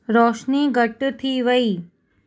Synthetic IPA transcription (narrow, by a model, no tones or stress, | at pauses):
ɾɔːʃniːɡəʈt̪ʰiːʋəiː